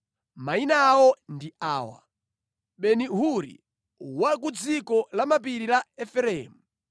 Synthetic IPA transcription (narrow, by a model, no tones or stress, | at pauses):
mainawɔndiaːwa̰ | ɓɛniɦuɾḭ | wakud͡zikɔlamapiɾilaɛfɛɾɛːmu